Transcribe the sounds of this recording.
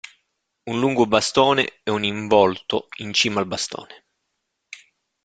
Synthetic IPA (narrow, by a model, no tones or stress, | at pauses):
unluŋɡobast̪oːnḛɛuniɱvɔlt̪o̰int͡ʃiːmalbast̪o̰ːne